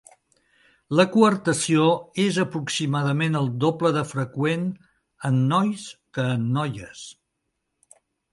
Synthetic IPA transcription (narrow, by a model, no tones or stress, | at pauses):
ləkuəɾt̪əsioezəpɾuksimaðəmenəlˠd̪opləðəfɾəkwen | ənːɔjskəːnːɔjəs